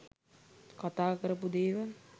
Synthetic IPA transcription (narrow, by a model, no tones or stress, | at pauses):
kat̪aːkəɾəpud̪eːʋə